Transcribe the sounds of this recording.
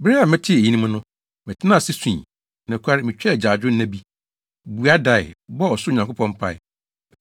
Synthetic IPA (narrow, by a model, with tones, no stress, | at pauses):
bɾɪ˦a˨mɪ̃˦tʰɪ˦e˨ji˦nĩ˦mʊ̃˦nʊ̃˦ | mɪ̃˨tʰɪ˦nã˦˨sɪ˦sĩ˨ | nɛ̃˨kʰʷa˦ɾɪ˦mɪ̃˨t͡ɕᶣɛ˦˨d͡ʑaː˨d͡ʑᶣʊ˦n˦æ̃˦bi˦ | bu˨a˦da˨ɪ̰˨bɔ˦ɔ˨sʊ˦˨ɲã˨ŋko˦pʰɔ̃˦m˦pʰa˦˨ɪ˦˨